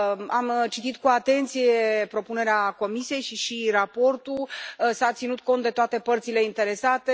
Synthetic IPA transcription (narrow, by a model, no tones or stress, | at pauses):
amt͡ʃit̪it̪kuat̪e̞nt̪sije̞pɾo̞pune̞ɾeako̞misie̞jʃiʃirapo̞rt̪ulsat̪sinut̪̚ko̞nt̪̚d̪e̞t̪oat̪e̞pərt̪sile̞int̪e̞ɾe̞sat̪e̞